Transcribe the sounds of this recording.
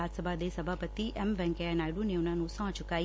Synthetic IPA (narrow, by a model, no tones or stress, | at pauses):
at̪səbʱad̪esəbʱapət̪iʔɛmʋɛ̃ŋkeanajɽũneʋnanũsɔ̃ːt͡ʃʊkai